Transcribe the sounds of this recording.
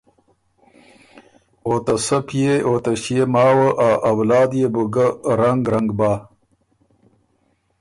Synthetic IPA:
oːt̪ɐsɐpijeoːt̪ɐɕijemaːwəʔaːʔɐwlaːd̪jebuɡɐɾɐŋɡɾɐŋɡbaː

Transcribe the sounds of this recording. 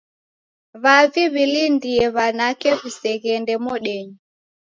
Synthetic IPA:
βaviβilindiɛβanakɛβusɛɣɛndɛmɔɗɛɲi

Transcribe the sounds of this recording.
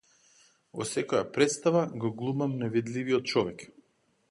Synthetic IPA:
vɔ̰sɛkɔja̰pɾɛt̪st̪avaɡɔɡlˠumamnɛvid̪liviɔt̪̚t͡ʃɔvɛk

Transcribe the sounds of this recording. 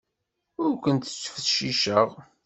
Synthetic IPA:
ʊɾkʷənt̪t͡sːə̥fθʃiʃəʁ

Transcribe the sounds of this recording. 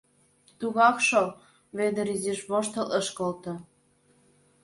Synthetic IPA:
t̪uɣɑkʃo | βed̪ə̆ɾiziʃβoʃt̪ɤ̆ləʃkolt̪ɤ̆

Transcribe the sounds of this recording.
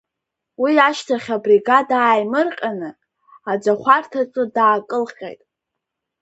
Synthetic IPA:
wiaʃtʰaχʲabriɡadaːjmɨrqʲʼanɨ | ad͡zaχʷʰartʰaʈ͡ʂʼɨdaːkʼɨlqʲʼḛjtʼ

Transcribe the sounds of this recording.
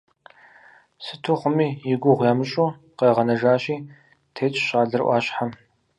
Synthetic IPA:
sɨtʰuχʷʊmiːjɪɡʷʊʁʷjaːmɨɕʼu | qeːʁɐnɐʒaːɕiː | tʰeːt͡ʃʼɕʼaːɮɨrʔʷɑ̰ːɕʼħa

